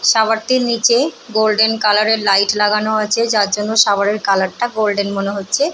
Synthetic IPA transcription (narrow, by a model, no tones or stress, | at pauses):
ʃabaɾt̪iɾnit͡ɕeɡolɖenkalaɾeɾlajʈlaɡanoat͡ɕʰed͡ʑaɾd͡ʑonːoʃaβaɾeɾkalaɾʈaɡolɖenmoneɦotːɕʰe